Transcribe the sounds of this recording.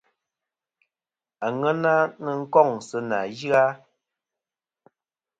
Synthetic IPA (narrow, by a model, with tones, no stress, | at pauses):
a˨ŋɛ˦na˦nə˦˨ŋ̩˦kɔ˦˨ŋ˨sɨ˦na˨ji˦a˦